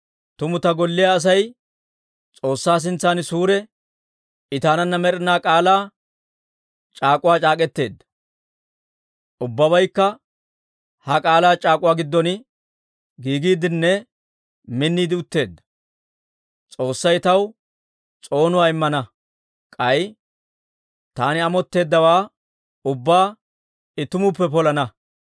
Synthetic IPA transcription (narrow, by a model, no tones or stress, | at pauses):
t̪ʊmʊt̪ɐɡɔlːɪjaːs̬ɐj | t͡sʼo̞ːsːaːs̬ɪnt͡sːaːnɪsuːɾɛ | ɪt̪aːnɐnːɐmɛɾɪnaːkʼaːlaː | t͡ʃʼaːkʼʊwaːt͡ʃʼaːkʼɛt̪ːe̞ːd̪ːɐ̥ | ʔʊbːɐβɐjkːɐ | hɐkʼaːlaːt͡ʃʼaːkʼʊwaːɡɪd̪ːɔn | ɡiːɡiːd̪ɪnːɛ | mɪnːiːd̪ɪʊt̪ːe̞ːd̪ːɐ̥ | t͡sʼo̞ːsːɐjt̪ɐw | t͡sʼo̞ːnʊwaːɪmːɐnɐ | kʼɐj | t̪aːnɪɐmɔt̪ːe̞ːd̪ːɐwaː | ʊbːaː | ɪt̪ʊmʊpːɛpɔlɐnɐ